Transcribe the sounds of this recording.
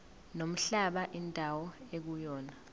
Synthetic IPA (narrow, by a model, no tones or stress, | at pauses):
nom̩ɬaɓaʔindʱawɔek̬ujɔːna